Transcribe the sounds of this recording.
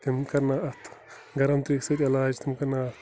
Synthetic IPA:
t̪imkɐɾnaɐt̪ʰ | ɡɐɾɐmt̪ɾiksɐt̪ʲɐlaːd͡ʒt̪ʰimkɐɾnaːɐt̪

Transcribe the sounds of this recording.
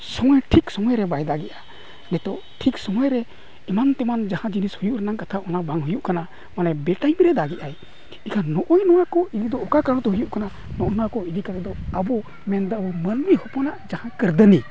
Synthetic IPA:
sɔmɔjʈʰiksɔmɔjɾɛbajd̪aɡiɛʔa | nɛt̪ɔʔʈʰiksɔmɔjɾɛ | imant̪ɛmand͡ʒahãd͡ʒinishujuʔɾɛnaŋkat̪ʰaɔnabaŋɦujuʔkana | manɛbɛʈajmɾɛd̪aɡiʔaj | ikʰanɔʔɔjnɔwakɔiɾid̪ɔːkakaɽɔt̪ɔɦujuʔkana | nɔʔɔnɔwakɔiɾikat̪ɛd̪ɔabɔ | mɛnd̪abɔmənbihɔpɔnaʔd͡ʒahãkəɾd̪əni

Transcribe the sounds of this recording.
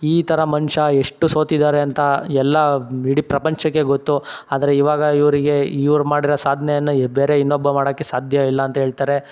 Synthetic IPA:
iːt̪ʰɐɾɐmɐnʂɐeʂʈːuso̞ːt̪id̪aːɾeɐnt̪ɐɛlːɐiɽipɾɐpɐɲt͡ʃɐkːe̞ɡot̪ːuaːd̪ɐɾe̞iʋaːɡɐiʋɾiɡe̞iʋɾmaːɽiɾɐsaːd̪ʱnejɐnːɐbeːɾeinːobːɐmaːɽoːkːesaːd̪ʱjɐilːɐːnt̪ɐɦeːɭt̪aːɾe̞

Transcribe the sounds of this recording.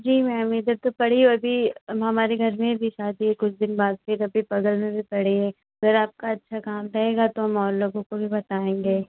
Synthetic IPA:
d͡ʒiːmɛ̃ːmid̪ɐɾt̪opɐɽ̤ioɐbʱiɦɐmaːɾeɡʱɐɾmẽbʱiʃaːd̪iekʊt͡ʃʰd̪ɪnbaːd̪̚fɪɾɐbʱipɐɡəlnẽbʱipɐɽ̤eẽ | ɐɡəɾaːp̚kaɐtːʃʰakaːmɾɐɦeːɡat̪oɦɐmɔːɾloːɡõkobʱibɐt̪aːẽːŋɡeː

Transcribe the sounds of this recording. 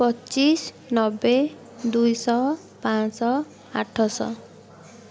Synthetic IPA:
pɔt͡ʃis | nɔbe | d̪ujsɔ | pãsɔ | a̰ʈʰɔsɔ̰

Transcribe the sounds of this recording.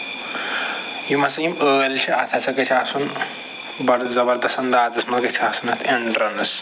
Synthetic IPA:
jimɐsɐjiməːlt͡ʃʰiʔɐ̰t̪ʰɐsɐkɐt͡ʃʰʲaːsun | bɐɾzɐbɐɾd̪ɐsɐnd̪aːt̪ɐsmɐkɐt̪ʰaːsunɐt̪ʰeɳɖɾɐnɐs

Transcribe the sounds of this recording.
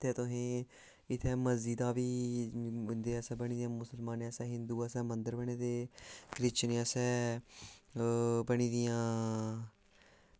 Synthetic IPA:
t̪eːt̪ʊɦẽː | ɪt̪ʰːɛːməziːd̪aːʋiː | nd̪eːəsɛːbəɽ̃iːd̪ɪjãːmʊsəlmaːneːəsɛːɦɪnd̪uːəsɛːmənd̪əɾbəɳ̃eːd̪eːkɾɪt͡ʃneasɛː | bəɳiːd̪ɪjãː

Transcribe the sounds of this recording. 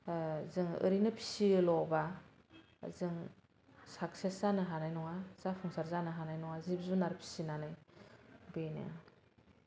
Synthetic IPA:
zɯŋɯ̰ɾinɯpʰi̥silɔba | zɯŋ | sak̚sesanɯɦanajnɔŋaz̥apʰɔŋsaɾzanɯɦanajnɔŋazip̚zunaɾpʰi̥sinanɯj | benɯ̰

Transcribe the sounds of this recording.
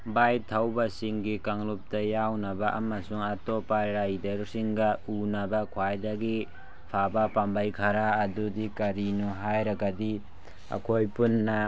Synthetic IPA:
bajtʰawbɐsiŋɡikaŋlup̚tɐjawnɐbɐʔɐmɐsuŋɐtopaɾajdɐɾsiŋɡɐunɐbɐkʰwajdɐɡi | pʰabɐpambajkʰɐɾaːdudikɐɾinuɦajɾɐɡɐdi | ɐ̰kʰojpunːɐ

